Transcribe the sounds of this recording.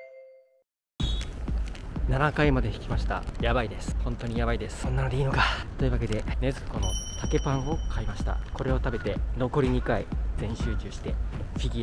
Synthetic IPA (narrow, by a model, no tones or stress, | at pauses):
nanakaimad̪e̞çʲi̥kʲimaɕi̥t̪a̰jabaid̪e̞sɨ̥hõ̞nt̪o̞ɲ̟ijaβaid̪e̞sɨ̥sõ̞nːanod̪e̞iːnokat̪o̞i̟βake̞d̪e̞ne̞zɨko̞no̞t̪ake̞pãɰ̃o̞kʰaimaɕi̥t̪a̰ko̞ɾe̞o̞t̪abe̞t̪e̞no̞ko̞ɾʲiɲ̟ikaizẽ̞ɰ̃ɕɨːt͡ɕɨːɕi̥t̪e̞fʲiɡʲi